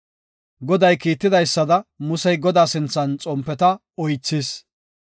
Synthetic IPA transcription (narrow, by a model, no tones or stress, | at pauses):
ɡɔd̪ɐjkiːt̪ːɪd̪ɐjsːɐd̪ɐmʊsɛjɡɔd̪aːsɪnt͡sːɐnt͡sʼɔmpːɛt̪ɐ | ɔjt͡sːɪs